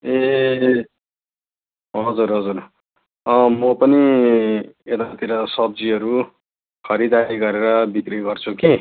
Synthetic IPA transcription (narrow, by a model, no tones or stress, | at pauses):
e | ɦʌd͡zurɦʌd͡zur | ʌmʌpʌni | et̪at̪iɾʌsʌb̚d͡ziʌɾu | kʰʌɾid̪aiɡʌɾeɾʌbikriɡʌrt͡sʰuki